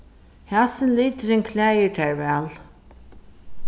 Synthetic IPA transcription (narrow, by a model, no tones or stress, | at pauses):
hæsɪnliːt̪ɪɾɪŋkʰlæːjət̪ʰæɹvɛːl